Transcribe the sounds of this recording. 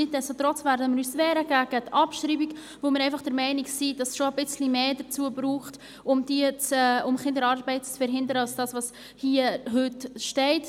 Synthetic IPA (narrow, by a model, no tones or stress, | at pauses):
ɪt̚d̥ɛstot̪ɾɔt͡svæɾdəmɪɾyːsvɛːɾəɡæɡ̥ətɑpʃɾiːbik | vomɪːɾɛɪnfɑχd̥əɾmɛɪniksid̥ɑsʃoəbɪt͡slimeːdət͡suːəbɾuːχt | ʊmdiət͡sɛʊmχɪndəɾɑɾbɛɪtt͡sfəɾɦɪndəɾəɑlsd̥ɑːsvɑs | hiːəɦʏtʃtɛɪt